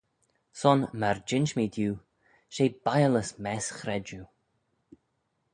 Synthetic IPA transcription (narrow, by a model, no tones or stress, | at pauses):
sɔnmaɹd͡ʒɪnt͡ʃmid̪juː | ʃeːbajələsmɛsxɾɛd͡ʒu